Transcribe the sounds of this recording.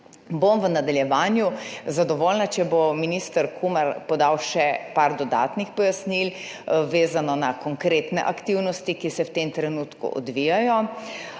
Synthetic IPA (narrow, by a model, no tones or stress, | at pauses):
bomʋənad̪aljɛʋaːnjuzad̪ɔʋoːlnat͡ʃɛbominist̪əɾkʰumaɾpɔd̪awʃɛpaɾd̪ɔd̪a̰ːt̪nixpɔjasnil | ʋeːzanɔnakɔŋkɾeːt̪nɛ̰ʔakt̪iwnɔst̪ikisɛwt̪emt̪ɾɛnuːt̪kṵʔɔ̰d̪ʋijajɔ